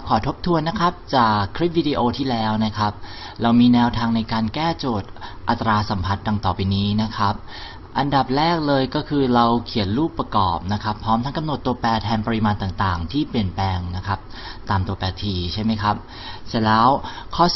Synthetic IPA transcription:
kʰɔː˩˦t̪ʰo˦˥p̚t̪ʰu˧ənːa˦˥kʰɾa˦˥p̚t͡ɕaː˨˩kʰːɾi˦˥p̚wiː˧diː˧ʔoː˧t̪ʰiː˥˩lɛː˦˥wna˦˥kʰa˦˥p̚ | ɾa˧wmiː˧nɛː˧wt̪ʰaː˧ŋna˧jkaː˧nkɛː˥˩t͡ɕoː˨˩t̪̚ʔa˨˩t̪ːɾaː˧sa˩˦mpʰa˦˥t̪̚da˧˩ŋt̪ɔː˨˩pa˧jniː˦˥na˦˥kʰa˦˥p̚ | ʔa˧nda˨˩p̚ɾɛː˥˩k̚lɤː˧jkɔː˥˩kʰɯː˧ɾa˧wkʰi˨˩˦ənɾuː˥˩pːɾa˧kɔ̰ː˨˩p̚na˦˥kʰa˦˥pʰɾɔː˦˥mt̪ʰa˦˥ŋka˧mn˨˩t̪ːu˧əpɛː˧t̪ʰɛː˧ŋpɔ˧ɾi˦˥maː˧nt̪aː˨˩ŋt̪aː˨˩ŋt̪ʰiː˥˩pli˨˩ənpɛː˧ŋna˦˥kʰa˦˥p̚ | t̪aː˧mt̪u˧ɐpɛː˧t̪ʰiː˧t͡ɕʰa˥˩jma˦˥jkʰa˦˥p̚ | sɛ˨˩lɛː˦˥wkʰɔː˥˩

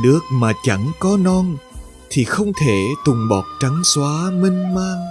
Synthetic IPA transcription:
nɨ˦˥ək̚maː˨˩t͡ɕa˧˥ŋkɔ˨˦nɔ˧n | t̪ʰi˨˩xə˧wŋ͡mt̪ʰe˧˩t̪ʊ˨˩ŋ͡mɓɔ˨˩t̚t͡ɕa˨˦ŋswaː˨˦mï˧ŋ̟maː˧ŋ

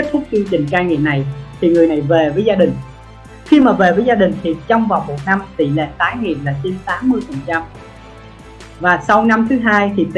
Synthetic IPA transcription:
t̚t̪ʰʊ˦˥k͡p̚t͡ɕ̪i˧t͡ɕï˨˩ŋ̟kaː˧ŋḭ˧˨na˨˩jt̪ʰi˨˩ŋɨ˨˩əjna˨˩jve˨˩vəː˨˦jzaː˧ɗï˨˩ŋ̟ | xi˧maː˨˩ve˨˩vəː˨˦jzaː˧ɗï˨˩ŋ̟t̪ʰi˨˩t͡ɕɔ˧wŋ͡mvaː˨˩wmo˨˩t̚na˧mt̪i˧˩lḛ˧˨t̪aː˨˦jŋḭ˨˩˨nlaː˨˩t͡ɕi˧nt̪aː˨˦mːɨ˧əjfə˨˩nt͡ɕa˧m | vaː˨˩sa˧wna˧mt̪ʰɨ˨˦ɦaː˧jt̪ʰi˨˩t̪

